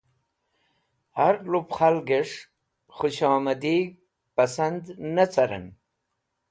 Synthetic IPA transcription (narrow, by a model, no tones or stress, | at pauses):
haɾlupχalɡeʂ | χʊɕɑːmɐd̪i | pɐsand̪nɐt͡sɐɾə̰n